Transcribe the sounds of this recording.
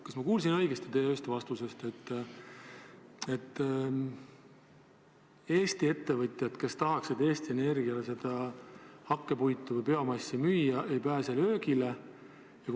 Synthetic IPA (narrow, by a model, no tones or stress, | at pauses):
kɑsmɑkuːls̬inɤ̞jɡest̪et̪eːøːst̪vɑst̪usest̪e̞t̪ː | e̞t̪ːˑ | e̞ːst̪ie̞t̪ːe̞vɤt̪ʲjɑd̪̥ke̞st̪ɑɦɑksid̪e̞ːst̪ie̞ne̞rɡiɑlese̞d̪̥ɑhɑkːe̞pujt̪ːˑuvəjpe̞omɑjsːimyjɑʔejpæːselø̞ːɡile̞ | jɑk